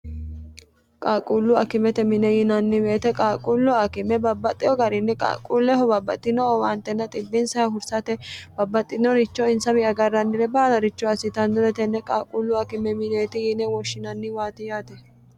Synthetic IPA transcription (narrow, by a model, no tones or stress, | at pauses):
kʼaːkʼulːʊɐkɪmɛt̪ɛmɪnɛjɪnɐnːɪmeːt̪ɛkʼaːkʼulːʊɐkɪmɛbɐbːɐt̪ʼːɪjɔɡɐɾɪnːɛkʼa̰ːkʼːuːlːɛɦɔbɐbːɐ̰t̪ʼːɪnɔɔwaːnt̪ːɛnːɐt̪ʼɪbːɪnsɐjɐɦʊɾsɐt̪ɛb̥ɐbːɐt̪ʼːɪnːɔɾɪt͡ʃːɔɪnsɐmɪɐɡɐrːɐnːɪɾɛbaːlɐɾɪt͡ʃːɔɐsɪt̪ɐnd̪ɔɾɛt̪ɛnːɛkʼaːkʼulːʊɐkɪmɛmɪneːt̪ɪjɪnɛwɔʃːɪnɐnːɪwaːt̪ɪjaːt̪ɛ